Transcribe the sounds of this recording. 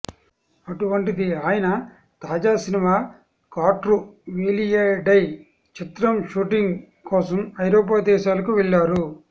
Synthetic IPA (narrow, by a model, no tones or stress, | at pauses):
ɐʈuʋɐɳʈid̪iaːjɐnɐ | t̪aːd͡ʒaːsinimaː | kaːʈɾuʋeːlijeːɖɐj | t͡ʃit̪ɾɐmʃuːʈiŋɡ | kɔːsɐmɐjɾoːp̬aːd̪ɛːʃaːlɐkuʋɛɭːaːɾu